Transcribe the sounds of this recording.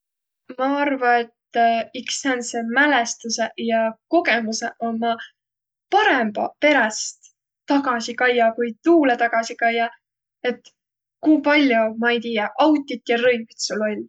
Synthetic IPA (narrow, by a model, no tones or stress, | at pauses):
mɑɑrvɑe̞t̪ːiksɑnsemælest̪use̞jɑko̞ɡe̞muse̞ʔo̞mːɑ | pɑɾe̞mb̥ɑ̰pe̞ɾɑst̪ | t̪ːɑɡ̥ɑsikɑjːɑkujt̪uːlet̪ɑɡ̥ɑsikɑjːɑ | e̞t̪ːˑ | kuːpɑlʲjumɑejt̪iːjɑʔɑwt̪ʲˑːit̪ˑjɑrɤjvit̪sulːo̞lʲ